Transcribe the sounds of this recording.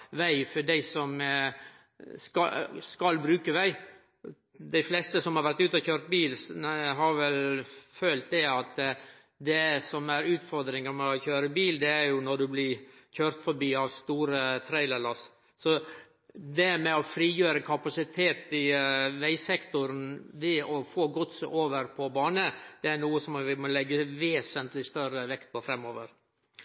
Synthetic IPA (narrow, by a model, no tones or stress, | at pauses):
ʋæɪfɔɖæɪsɔm | skɑskɑlbɾʉːkəʋæɪ | d̪æɪflɛst̪əsɔmhɑɾʋæɾt̪ʉːt̪ɔçøːɾt̪̚biːlɦɑɾʋɛlfœlt̪̚d̪ɛɑt̪ | d̪ɛsɔmæɾʉːt̪fɔɾd̪ɾɪŋəɾmɛɔçøːɾəbiːld̪ɛæɾjʊnɔɖʉblɪçøːɾt̪fɔɾbiːɑʋst̪uːɾət̪ʰɾæɪləlɑs | sɔ | d̪ɛmɛɔfɾiːjøːɾəkʰɑpɑsɪt̪ʰeːt̪ɪʋæɪsɛkt̪ʊɾnʋɪɔfoːɡʊt̪sʔoːʋəɾpʰɔbɑːnəd̪̥ɛænuːəsɔmʋɪmɔlɛɡːəʋeːsənt̪lɪst̪œɾəʋɛkt̪̚pʰɔfɾɛmːɔːʋəɾ